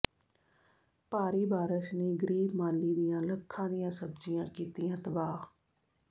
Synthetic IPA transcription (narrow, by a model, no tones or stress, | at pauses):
paːɾiːbaːɾəʃneːɡəɾiːbmaːlːiːd̪ɪjãːləkʰːãːd̪ɪjãːsəbd͡ʒɪjãːkiːt̪ɪjãːt̪əbaː